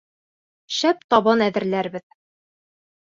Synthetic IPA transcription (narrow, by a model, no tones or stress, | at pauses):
ɕæp̚t̪ɒbɤnæðɘ̆ɾlæɾbɘð